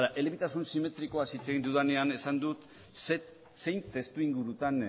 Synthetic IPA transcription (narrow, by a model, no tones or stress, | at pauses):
ðaʔe̞leβit̪asunsime̞t̪ɾiko̞asit͡se̞ɣind̪uðane̞ane̞sand̪ut̪ | s | se̞jnt̪e̞st̪uiŋɡuɾut̪an